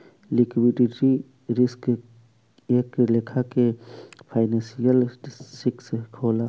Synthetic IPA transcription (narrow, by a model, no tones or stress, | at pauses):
likbiɖiʈɾi | ɾɪsk | eːklekʰakepʰaːɪnẽsijəlsɪkskʰoːla